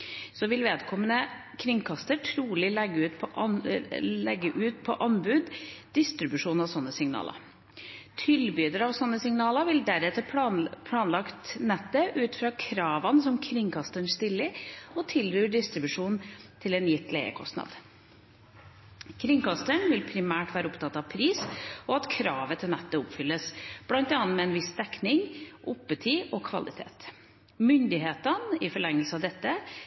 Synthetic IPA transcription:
sɔʋɪlʋeːd̪kʰɔmənəkʰɾɪŋkʰɑst̪əʈʰɾuːlɪlɛɡːəʉːt̪pʰɔʔ | lɛɡːəʔʉːt̪pʰɔʔɑnbʉːd̪d̪̥ɪst̪ɾɪbʉʂuːnɑʋsɔnːəsɪŋnɑ̰ːlə̰ | t̪ʰɪlbyːd̪əɾɑʋsɔnːəsɪŋnɑːləʋɪld̪æɾɛt̪əpʰpʰlɑːnlɑkt̪nɛt̪ːəʔʉːt̪fɾɑːkʰɾɑːʋɑnsɔmkʰɾɪŋkʰɑst̪əɳst̪ɪlːəɾɔt̪ʰɪlɾyːɖɪst̪ɾɪbʉʂuːnt̪ʰɪlɛːnjɪt̪ːleɪə̰kʰɔ̰st̪nɑ̰d̪ | kʰɾɪŋkɑst̪əɳʋɪlpʰɾɪmæːʈʋæːɾəʊpt̪ʰɑt̪ːɑʋpʰɾiːsɔɑt̪kʰɾɑːʋət̪ʰɪlnɛt̪ːəʊpfʏlːəsb̥lɑnt̪ɛɑːnmɛɛnʋɪsd̪̥ɛknɪŋʔʊpːət̪ʰiːʔɔkʰʋɑ̰lɪt̪ʰḛːt̪ | mʏnd̪ɪɦeːt̪ənɪfɔɭɛŋːəlsəɑʋd̪ɛt̪ːə

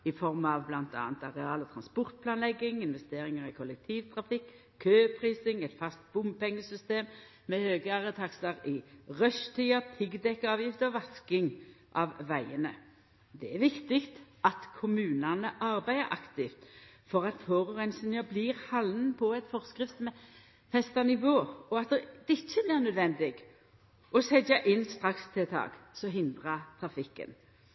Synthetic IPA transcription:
ɪfɔʁmɑʋblɑnt̪ɑ̰ːnt̪ɑʁɛɑːlɔt̪ʰɾɑnspɔʁt̪̚pʰlɑːnlɛɡːɪŋɪnʋɛst̪eːʁɪŋəʁɪkʰɔlɛk̚t̪ʰiːʋt̪ʰʁɑfɪkː | kʰːøːpʰʁiːsɪŋɛt̪fɑst̪̚bʊmpɛŋːəsʏst̪eːm | mɛhøːɡəɑʁət̪ʰɑkslɑʁɪʁœʂt̪ʰiːɑpʰɪɡd̪ɛkːɑːʋjɪft̪ɔʋɑskɪŋ | ʔɑʋʋæɪənə | d̪ɛæɾʋɪkt̪ɪkt̪ | ɑt̪kʰʊmʉːnɑnəʔɑʁbæɪəʔɑ̰kt̪ɪft̪ | fɔʁɑt̪foːʁɔʁɛnsənəbliːʁhɑlnnn̩pʰɔɛt̪fɔʁskɾʁɪft̪mɛ | fɛst̪ɑnɪʋoːɔɑt̪̚d̪ɛd̪ɪçːəblɪːʁnœd̪ʋɛnd̪ɪɡ | ʔɔsɛd͡ʒɑʔɪnst̪ʁɑkst̪ʰɪlt̪ʰɑ̰ːɡ̥sɔɦɪnd̪ʁɑt̪ʰʁɑfɪkːə̰n

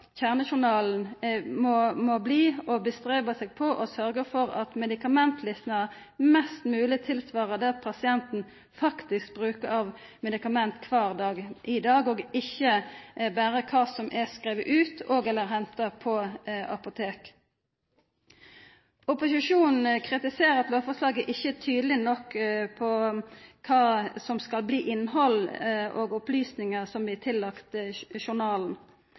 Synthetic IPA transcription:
çæːʁnəʃʊnɑːln̩mɔmobliːɔbəst̪ʁeːbɑsɛːɡ̚pʰɔʔɔsœʁɡəfɔʁɑ̰t̪mɛd̪ɪkɑmɛnt̪ʰlɪsnɑə | mɛst̪mʉːlɪt̪ʰɪlsʋɑːʁəd̪ɛːɑt̪̚pʰɑsɪɛnt̪n̩ | fɑkt̪ɪsk̚bʁʉːkəʁɑʋ | mɛd̪ɪkɑmɛnt̪kʰʋɑːʁd̪ɑːɡʔɪd̪ɑːɡoɡɪçːəbæːʁəkʰɑːsɔmʔɛskʁeːʋəʔʉːt̪ʰoːɡɛlːəɾɦɛnt̪ɑpʰɔɑ̰pʊt̪ʰeːk | ʊpʊsɪʂuːnn̩kʰʁɪt̪ɪseːʁɑt̪loːfɔslɑːɡəʔɪçːət̪ʰyːd̪əlɪnɔkːpʰɔkʰɑːsɔmskɑlbliːʔɪnːhɔlʔoːɡʊplyːsnɪŋəʁsɔmblɪːt̪ʰɪlːɑkt̪ʃʊnɑːln̩

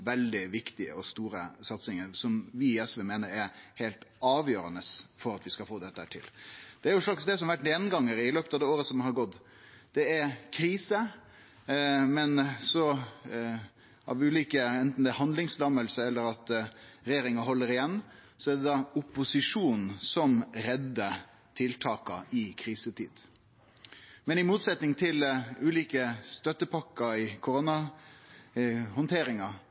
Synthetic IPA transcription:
ʋɛld̪ɪʋɪkt̪ɪə̰ɔst̪uːɾə̰sɑt̪sɪŋəɾsɔmʋɪɛsʋɛmeːnəɾæɾheːlt̪ɑːʋjøːɾənəsfɔɾɑt̪ʋɪskɑlfoːd̪ɛt̪ːəhæːʈʰɪ̰ld̪̥ɛæɾjʊʂlɑksd̪ɛsɔmʋæʈneːnɡɑŋːəɾɪløːpət̪ɑʋd̪ɛːoːɾəsɔmɦɑɾɡɔt̪ː | d̪̥ɛæɾkʰɾiːsə | mɛnsɔ | ʔɑ̰ʋʉːliːkəɛnt̪n̩d̪ɛæhɑnd̪lɪŋslɑməlsəɛlːəɾɑt̪ɾɛjeːɾɪŋɑɦɔlːəɾɪjɛnː | sɔæd̪ɛd̪ɑʊpʊsɪʂuːnn̩sɔmɾɛd̪ːə | t̪ʰɪlt̪ʰɑːkɑ̰ʔɪkʰɾiːsət̪ʰḭːd̪̥ | mɛnɪmuːt̪sɛt̪nɪŋt̪ʰɪlʉːliːkəst̪œt̪ːəpʰɑkːɑɪkʰʊɾʊnɑ | hɔnt̪ʰeːɾɪŋɑ

